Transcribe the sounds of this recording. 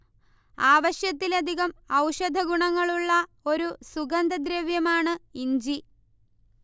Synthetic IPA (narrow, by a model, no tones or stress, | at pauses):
aːʋɐɕjɐt̪ːilɐd̪ʱiɣɐmɐwʂɐd̪ʱɐɡuɳɐŋːɐɭuɭːɐ | o̞ɾusuɡɐnd̪ɐd̪ɾeːʋjɐmaːɳɨiɲd͡ʑi